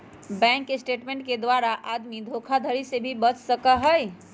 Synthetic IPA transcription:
bɛ̃ŋkːesʈeʈmẽɳʈ̚ked̪ʋaɾaʔad̪mid̪ʱokʰad̪ʱəɾisebʱibət͡ʃsəkəɦəj

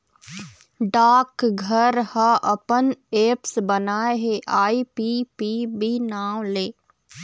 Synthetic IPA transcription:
ɖaːkɡʱəɾhəʔəpəneːpsbənaːeɦeʔaːipiːpiːbinaːwleː

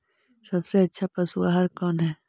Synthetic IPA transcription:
sɐbseɐtːʃʰapɐsuaɦɐɾkɔːnɦɛː

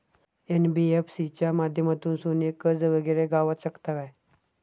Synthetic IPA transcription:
enbiefsit͡ɕjamad̪ʱjəmat̪uːnsonekəd͡zʋəɡəɾeɡaʋaɕəkt̪aʋaj

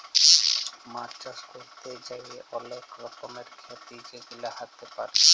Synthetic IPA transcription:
maɾt͡ʃaskoɾt̪ed͡ʒaieʔɔlekʰɾɔkomeɾkʰat̪id͡ʒeɡilaɦat̪epaɾe

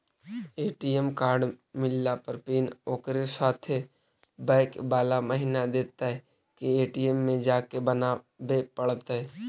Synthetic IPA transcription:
eːʈiemkaːɾɖmɪlːapəɾpiːnoːkɾesaːt̪ʰe | bɛːkbaːlaməɦinad̪eːt̪aɦɛ | kieːʈiemːẽd͡ʒaːkebəna | beːpəɽət̪ɦɛː

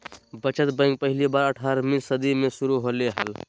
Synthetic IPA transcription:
bət͡ʃət̪bə̃j̃ŋɡpəɦilibaɾəʈʰaɾminsəd̪imesuɾuɦoleɦə̰l

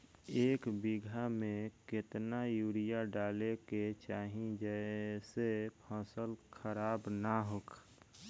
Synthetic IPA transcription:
eːkbiɡʱamẽkɪt̪najuːɽijaɖaːleket͡ʃaːɦĩd͡ʒəsepʰɔ̃ːsəlkʰəɾaːbnaɦok

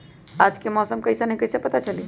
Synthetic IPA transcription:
ad͡ʒkemɔsəmkəjsenəɦĩkəjsepət̪at͡ʃəli

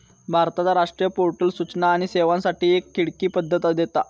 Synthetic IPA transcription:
bʱaɾt̪at͡saɾaʂʈɾijəpoɾʈəlsut͡snaːɽ̃iseʋãnsaʈiːekːiɽkiːpəd̪ʱːət̪ad̪et̪a

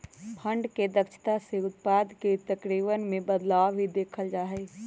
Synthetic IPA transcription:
pʰə̃ɳɖked̪əkʃɪ̥t̪aseʊt̪̚paːd̪ket̪ɐkɾiːʋənmẽbəd̪laːʋɦid̪eːkʰəld͡ʒaːɦeː

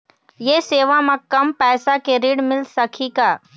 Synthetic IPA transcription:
jeːseːʋamãkɐmpɛːsakeɾiːɽmɪlsɐkʰikaː

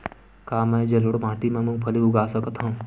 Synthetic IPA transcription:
kaːmɛ̃ːd͡ʒɐlʊɽmãːt̪imẽmũbʱɐliʊɡaːsəkt̪ʰɦũː

